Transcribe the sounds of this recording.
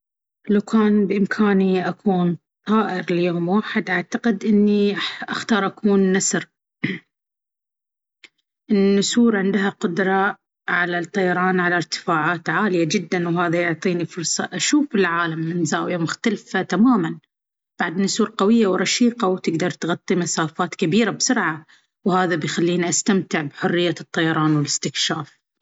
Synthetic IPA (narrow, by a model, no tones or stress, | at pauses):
lawkʰaːnbʔɪmkʰaːniʔakʰuːn | t̪ˤɑːʔɪɾljoːmwaːħɪd̪ʔaʕt̪aqɪd̪ʔɪnːiʔaxt̪ɑːɾˤʔakuːnːasɾ | ʔɪnːʊsuːɾʕɪnd̪ɦaqʊd̪ɾˤɑ | ʕalat̪ˤːɑjɑɾˤɑːnʕalaɾt̪ɪ̥faːʕaːt̪ʕaːlɪjad͡ʒɪd̪ːanwɦaːðajʊʕt̪ˤiːnifʊɾsˤɑ̰ʔaʃuːfɪlʕaːlamːɪnzaːwjamʊxt̪alfat̪amaːman | b̥aʕd̪nʊsuːɾqɑwɪjːawɾˤɑʃiːqɑwt̪ɪɡd̪ɑɾˤt̪ɣɑt̪ˤːimasaːfaːt̪kabiːɾabsʊɾʕa | whaːðabjxalːiːniʔast̪amt̪ɪʕbħʊrːɪjːat̪ˤːɑjɑɾˤɑːnwɪlɪst̪ɪkʃaːf